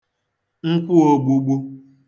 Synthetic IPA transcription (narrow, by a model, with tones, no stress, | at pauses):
ŋ̩˦kʷu˦o˨ɡ͡bu˦ɡ͡bu˦